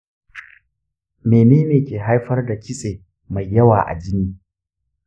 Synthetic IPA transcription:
meː˨neː˦neː˨kʲeː˨ɦa˦jɸɐ˦rda˨kʲɪ˦sʼeː˨ | ma˨jːɐ˦waː˨ʔa̰˨d͡ʒɪ˦niː˦

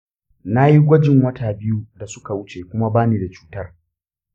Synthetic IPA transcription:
na˦ji˦ɡʷɔ˦d͡ʒɪ˨ŋwɐ˦taː˨bɪ˦ju˦da˨sʊ˦ka˨wʊ˦t͡ʃeː˨kʷʊ˦ma˦baː˦niː˨da˨t͡ʃuː˦tɐ˦r

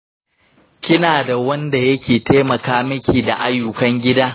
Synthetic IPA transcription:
kʲɪ˦naː˨da˨wɐ˦nda˨jɐ˦kʲeː˨teː˦mɐ˨kaː˦mɐ˦kʲiː˨da˨ʔa˦jːʊ˨kɐ˦ŋɡʲɪ˦daː˦

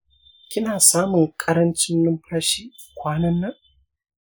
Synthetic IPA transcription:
kʲɪ˦naː˨saː˦mʊ˨ŋkʼɐ˦ɾɐ˦nt͡ʃɪ˦nːɪ˦mɸʰaː˦ʃiː˦ | kʷaː˦nɐ˦nːa˦

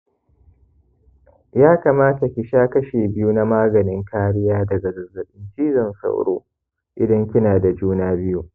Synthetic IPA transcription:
jaː˦ka˨maː˦ta˨kʲɪ˨ʃaː˦kɐ˦ʃeː˨bɪ˦ju˦na˦maː˦ɡɐ˨nɪ˦ŋkaː˦ɽɪ˦jaː˦dɐ˨ɡɐ˨ɡɐ˨zɐ˨ɗɪ˦nt͡ʃiː˦zɐ˨nsa̰˦wɽo̰ː˦ | ʔɪ˨dɐ˦ŋkʲɪ˦naː˨da˨d͡ʒuː˦naː˦bɪ˦ju˦

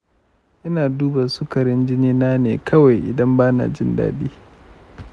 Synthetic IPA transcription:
ʔɪ˦naː˨duː˦ba˨su˦kɐ˨ɾɪ˦nd͡ʒɪ˦niː˦naː˦neː˨kʰɐ˦wa˨jʔɪ̰˨dɐ˦mbaː˦na̰˨d͡ʒɪ˦nda̰ː˦ɗiː˦

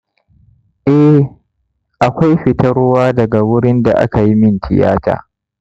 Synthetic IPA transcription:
ʔɛ˦ | ʔa˨kʷa˦jɸɪ˨tɐ˦ɾʊ˦waː˦dɐ˨ɡa˨wʊ˦ɽɪ˦nda˨ʔa̰˦ka˨ji˦mɪ˦ntɪ̰˨ja̰ː˦ta̰ː˨

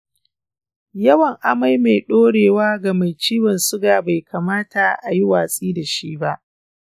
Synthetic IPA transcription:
jɐ˦wɐ˨ŋʔa˨ma˦jma˨jɗoː˦ɽeː˨waː˦ɡa˨ma˨jt͡ʃiː˦wɐ˨nsʊ˦ɡaː˨ba˨jkʰaː˨maː˦ta˨ʔa̰˨ji˦waː˨sʼiː˦da˨ʃiː˦ba˦ʔ

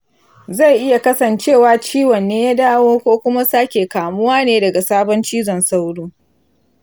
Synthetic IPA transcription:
za˦˨jʔɪ˦ja˨kɐ˦sɐ˨nt͡ʃeː˦˨waː˨t͡ʃiː˦wɐ˨nːeː˦ja˦daː˦woː˦kʷoː˦kʷʊ˦ma˦saː˦kʲeː˨kaː˨mʊ˦waː˦neː˦dɐ˨ɡa˨saː˦bɔ˦nt͡ʃiː˦zɔ˨nsa˦wɽuː˦

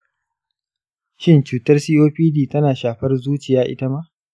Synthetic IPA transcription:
ʃɪ˦˨nt͡ʃuː˨tɐ˦rsiː˦ʔoː˦ɸiː˦diː˦˨tɐ˦naː˨ʃaː˨ɸɐ˦rzuː˦t͡ʃɪ˨jaː˦ʔɪ̰˦ta˦ma˦ʔ

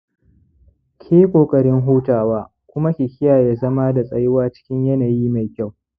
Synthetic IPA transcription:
kʲʰeː˦kʷʼoː˨kʼɐ˨ɾɪ˦ŋɦuː˦taː˨waː˦ | kʷʊ˦ma˦kʲɪ˨kʲɪ˦jaː˨jaː˨zɐ˦ma˦da˨sʼɐ˨jɪ˦waː˦t͡ʃɪ̥˦kʲɪ˦ɲjɐ˦naː˨jiː˦ma˨jkʲa˦˨w

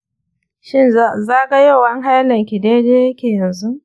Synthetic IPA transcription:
ʃɪ˦n˦zaː˦ɡa˦jo˦˨wɐ˦ŋɦa˦jlɐ˨ŋkʲi˨deː˦deː˦jɐ˦kʲeː˨jɐ˨nzu˦ʔ

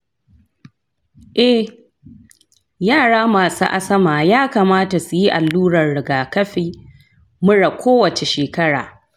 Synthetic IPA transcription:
ʔɛ˦h | jaː˦˨ɽaː˦maː˨sṵː˦ʔa˦sɐ˦maː˨jaː˦kaː˨maː˦ta˨su˨ji˦ʔa˨lːuː˦ɽɐ˨rɽɪ˨ɡaː˨kɐ˦ɸiː˦ | mʊ˦ɽa˨kʷʰoː˦wɐ˨t͡ʃe˨ʃeː˨kɐ˦ɽa̰ː˨

